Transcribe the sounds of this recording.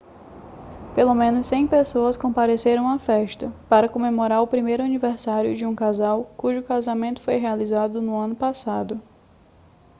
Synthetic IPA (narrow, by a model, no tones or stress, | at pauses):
pelomẽnʊsːẽj̃pesoɐskõpaɾeseɾɐ̃w̃ɐfɛʃt̪ɐpaɾɐkõmemoɾaɾʊpɾimejɾʊaniveɾsaɾjʊ̰d͡ʒɪũkazawkuʒʊkazamẽnt̪ʊ̥fojɦealizad̪ʊnʊɐ̃nʊpasad̪ʊ